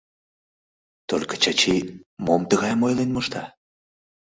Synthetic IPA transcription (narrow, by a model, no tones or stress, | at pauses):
t̪orʲkə̥t͡ɕɑt͡ɕimomt̪əɣɑjmojlenmoʃt̪ɑ